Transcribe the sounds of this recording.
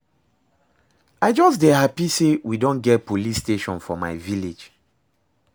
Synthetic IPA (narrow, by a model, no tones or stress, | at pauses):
aɪd͡ʒɔsdeɦapisewidõnɡɛt̚polisteʃɔ̃nfɔma̰ɪviled͡ʒ